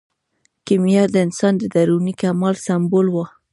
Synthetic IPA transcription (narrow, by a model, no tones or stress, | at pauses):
kimijad̪əɪnsɑnd̪əd̪aɾunikamɑlsambolwa